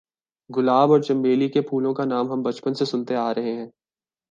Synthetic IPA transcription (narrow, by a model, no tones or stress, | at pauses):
ɡʊlaːbɔːɾt͡ʃɐ̃mbeːlikepʰuːlõkanaːmɦɐmbɐt͡ʃpənsesʊnt̪eaːɾɐɦeɦɛ̃ː